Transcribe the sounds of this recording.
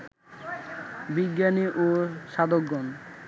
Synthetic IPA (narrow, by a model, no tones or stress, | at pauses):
biɡjaniʔoʃad̪oɡːɔn